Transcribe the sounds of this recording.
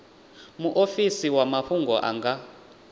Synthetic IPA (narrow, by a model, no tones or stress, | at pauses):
muʔofisiwamaɸuŋɡɔʔa̰ŋɡa